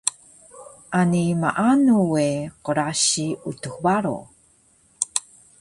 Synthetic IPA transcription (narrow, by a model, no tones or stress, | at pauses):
ʔanimaʔanuweqəɾaɕiutuxbaɾo̰